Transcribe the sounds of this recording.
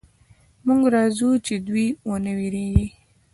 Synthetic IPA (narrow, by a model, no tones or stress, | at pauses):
muŋɡɾɑːzut͡ʃed̪wiwonəwiɾeji